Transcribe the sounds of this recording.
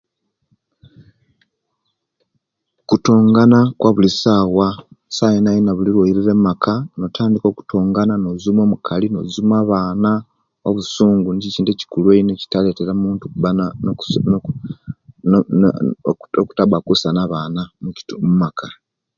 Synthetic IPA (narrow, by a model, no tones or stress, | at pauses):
kutoːŋɡanakwaβulisaːwasajenajinaβuliɾwojiɾiɾemakʰano̞tʰaːndiko̞ku̥tʰoːŋɡananozumo̞ːmukʰalino̰zumaːβaːna | oβusuːŋɡuniiciːnteci̥kulweineci̥tale̞te̞ɾamuːntuuβa | oku̥tabakusanaβaːnamuci̥mumakʰa